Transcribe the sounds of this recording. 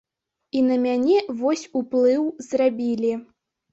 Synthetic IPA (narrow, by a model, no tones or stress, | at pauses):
inɐmʲanʲɛvɔsʲuplˠɨwzrabʲilʲi